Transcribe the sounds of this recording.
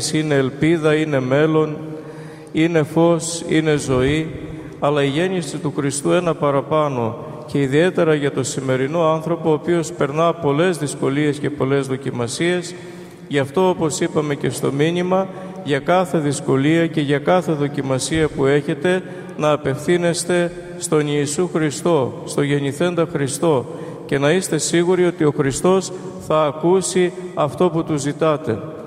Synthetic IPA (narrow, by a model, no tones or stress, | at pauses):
sine̞ːlpiðɐine̞me̞lo̞n | ine̞fo̞sine̞zo̞i | ɐlɐiʝe̞nisit̪uxɾist̪ue̞nɐpɐɾɐpɐno̞ | ce̞iðie̞t̪e̞ɾɐʝɐt̪o̞sime̞ɾino̞ɐnθɾo̞po̞ːpio̞spe̞ɾnɐpo̞le̞zðisko̞lie̞sce̞po̞le̞zðo̞cimɐsie̞s | ʝɐft̪o̞opo̞sipɐme̞ce̞st̪o̞minimɐ | ʝɐkɐθe̞ðisko̞liɐce̞ʝɐkɐθe̞ðo̞cimɐsiɐpue̞çe̞t̪e̞ | nɐːpe̞fθine̞st̪e̞ | st̪o̞niːsuxɾist̪o̞st̪o̞ʝe̞niθe̞nd̪ɐxɾist̪o̞ | ce̞nɐist̪e̞siɣuɾio̞t̪io̞xɾist̪o̞s | θɐːkusiɐft̪o̞put̪uzːit̪ɐt̪e̞